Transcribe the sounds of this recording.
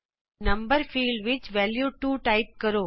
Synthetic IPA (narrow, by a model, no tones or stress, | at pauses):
nɐmbəɾfʰiːɭɖʋit͡ʃːʋeːljuːʈuːʈaɪp̚kɐɾoː